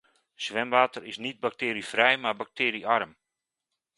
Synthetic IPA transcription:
sʋɛmʋaːtərɪsnit̚bak̚tɪːɾifrɛjmabak̚tʰɪːɾiʔarəm

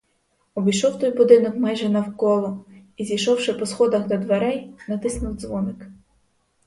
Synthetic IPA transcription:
ɔbʲijʃɔwt̪ɔjbʊd̪ɪnɔkmajʒɛnɐwkɔlˠɔizʲijʃɔwʃɪpɔsxɔd̪ɐxd̪ɔd̪ʋeɾɛjnɐt̪ɪsnʊwd̪zʋɔnɪk

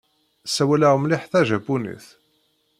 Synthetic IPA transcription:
sæwælæʁmliħθæʒæbunḭθ

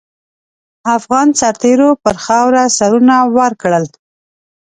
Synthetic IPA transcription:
afɣɑnsaɾt̪eɾopəɾxɑwɾasaɾunawəɾkɽəl

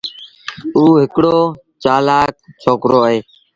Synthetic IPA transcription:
uːɦɪkɽoː | t͡ʃaːlaːk̚t͡ʃʰoːkɾoːəɦeː

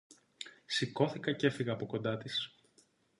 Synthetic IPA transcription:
siko̞θikɐce̞fiɣɐːpo̞ko̞nd̪ɐt̪is

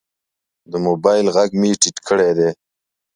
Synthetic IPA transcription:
d̪əmobajlɣaɡmiʈiʈkʰəɽed̪e

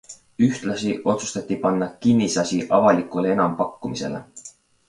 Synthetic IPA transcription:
yht̪lɑsiʔo̞t̪su̥st̪ɑt̪ʲˑːipɑnːɑkinːisɑsiʔɑvɑlikˑulee̞nɑmpɑkːumise̞̰le̞̰

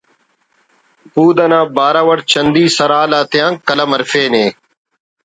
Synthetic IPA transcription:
puːd̪ɐnãːbaːɾaːʋəɽt͡ɕʰənd̪iːsəɾaːlaːt̪ɪjãːŋkːələmɐɾfeːneː

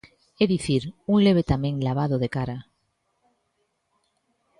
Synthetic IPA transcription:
eðiθiɾuŋleβ̞et̪amẽŋlaβ̞aðoðekaɾa

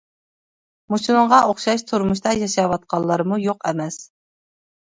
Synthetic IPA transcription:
mut͡ʃʰinɨŋʁɑʔoχʃɑʃt̪ʰuɾmuʃt̪ɑjɑʃɑwɑt̪̚qʰɑlˠːɑɾmujoqɛmɛs

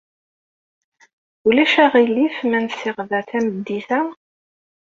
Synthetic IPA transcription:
ulæʃæʁilːifmænsɪʁðæθæməd̪ːiθæ

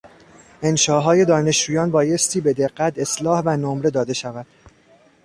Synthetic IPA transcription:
ʔe̞nʃɒːɦɒːje̞d̪ɒːne̞ʃd͡ʒuːjɒːnbɒːje̞st̪ʰiːbe̞d̪e̞ɢːæt̪ʰe̞slɒːhvænomɾe̞d̪ɒːd̪e̞ʃævæd̪̥

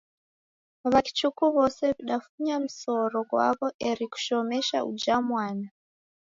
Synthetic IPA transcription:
ʋaki̥t͡ʃukuʋo̞seβuɗafuɲamuso̞ɾoɡwa̰βo̞ʔeɾiku̥ʃo̞meʃa̰ʔṵd͡ʒamwaːna

